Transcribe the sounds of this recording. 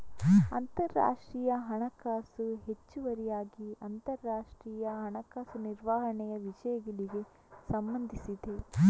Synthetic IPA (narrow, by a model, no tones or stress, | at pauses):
ɐnt̪ɐɾːa̰ːʂʈɾiːjɐɦɐɳɐkaːsuɦet͡ʃːuʋɐɾijaːɡiɐnt̪ɐɾːaːʂʈɾiːjɐɦɐɳɐkaːsuniɾʋaːɦɐɳɛjɐʋid͡ʒɐjɐɡiliɡe̞ | sɐmbɐnd̪ʱisid̪e̞